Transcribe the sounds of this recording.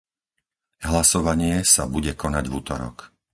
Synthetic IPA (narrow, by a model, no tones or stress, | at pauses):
ɦlasɔʋaɲɪɛsabuɟɛkʰɔnaɟvut̪ɔɾɔ̰k